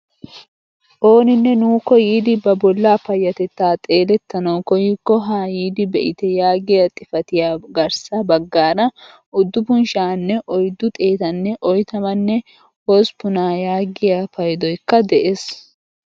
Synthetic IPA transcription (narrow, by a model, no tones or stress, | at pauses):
ʔo̞ːnɪnːɛnuːkːɔjiːd̪ɪbɐbɔlːaːpɐjːɐt̪ɛt̪ːaːt̪ʼe̞ːlɛt̪ːɐnɐwkɔjɪkːɔɦaːjiːd̪ɪbɛʔɪt̪ɛjaːɡɪjat̪ʼːɪfɐt̪ɪjaːɡɐɾsɐbɐɡːaːɾɐ | ʔʊd̪ːʊbʊnʃaːnːɛʔɔjd̪ːʊt̪ʼe̞ːt̪ɐnːɛʔɔjt̪ɐmɐnːɛ | hospʊnaːjaːɡɪjaːfɐjd̪ɔjkːɐd̪ɛʔeːs